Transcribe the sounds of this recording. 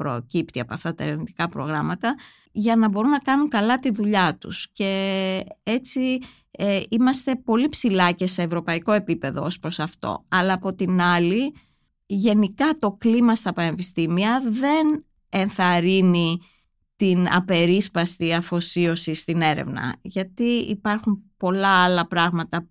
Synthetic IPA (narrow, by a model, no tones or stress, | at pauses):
pɾo̰cipt̪iɐpoɐft̪ɐt̪ɐḛɾvnit̪i̥kɐpɾo̞̰ɣɾɐmɐt̪ɐ | ʝɐnɐbo̞ɾunɐkɐnuŋkɐlɐt̪iðuʎɐt̪ṵsce̞ | e̞t͡si | imɐst̪e̞po̞lipsilɐce̞se̞ːvɾo̞pɐiko̞e̞pipe̞ðo̞̰o̞spɾo̞sɐft̪o̞̰ɐlɐːpo̞t̪inɐli | ʝe̞nikɐt̪o̞klimɐst̪ɐpɐne̞pist̪imiɐðe̞n | e̞nθɐɾini | t̪inɐ̰pe̞ɾispɐst̪iɐfo̞sio̞sist̪ine̞ɾḛvnɐ̰ʝɐt̪iḭpɐɾxumpo̞lɐɐlɐpɾɐɣmɐt̪ɐ